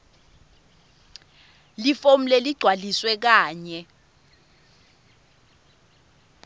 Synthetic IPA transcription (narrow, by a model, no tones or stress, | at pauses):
lifom̩leliɡ͡ǀʱwaliswɛk̬aːɲɛ